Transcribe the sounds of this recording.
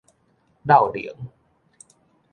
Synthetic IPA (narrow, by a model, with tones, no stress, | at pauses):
da˥˩wlḭ˨˦ə˦ŋ